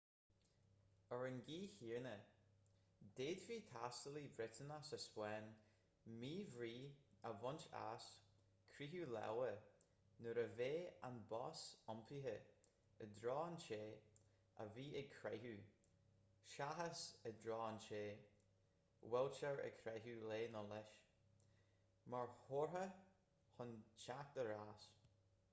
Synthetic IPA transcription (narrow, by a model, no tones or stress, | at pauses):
əɹənɡiːhiːɹnə | d̪̥eːdviːtʰastəlibɾɪtʰənasəspwɛn | miːvɹiːəvɔnt͡ʃa̰s | kʰɾiɦulɛ̰wə | nəɾəveːa̰nbɔsɔmpʰiɦə | əd̪ɾɔːnt͡ʃeː | ə̰viːɪɡ̚kʰɹɛɦu | ʃaɦəsədɹɔːnt͡ʃeː | wɛlt͡ʃəɹə̰kʰɾɛɦuleːnɔlɛʃ | maɹhoɹə | hʊnʃak̚d̪̥əɾaːs